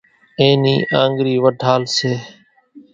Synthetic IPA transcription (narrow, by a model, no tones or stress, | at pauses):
ẽːniːʔãːŋɡɾiːʋəʈaːlseː